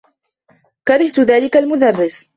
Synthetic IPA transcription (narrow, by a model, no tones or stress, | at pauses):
kɑɾˤɪht̪ʊðaːlɪkalmʊd̪ɑrˤːɪs